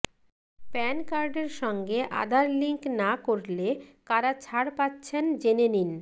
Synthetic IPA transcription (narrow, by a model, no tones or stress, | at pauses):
pɛnkaɾɖeɾʃɔŋɡeʔa̰d̪ʱaɾliŋknakoɾlekaɾat͡ɕʰaɽpatːɕʰend͡ʑenenin